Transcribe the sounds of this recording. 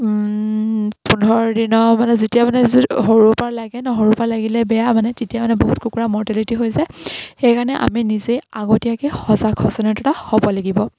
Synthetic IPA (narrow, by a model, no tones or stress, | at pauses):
pundʱɔɹdinɔmanɛzetijamanɛzɦoɹupaɹlaɡɛnɔɦoɹupalaɡilɛbɛjamanɛtetijamanɛboɦutkukuɹamɔɹtɛlitiɦojzaxejkaɹnɛʔa̰minizeaɡotijakɛhɔzakʰɔsɔnɛtɔtahobɔlaɡibɔ